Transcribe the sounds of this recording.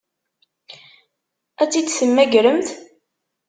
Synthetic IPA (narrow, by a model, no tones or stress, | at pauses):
æt͡sːid̪səmːæʝɾəmt̪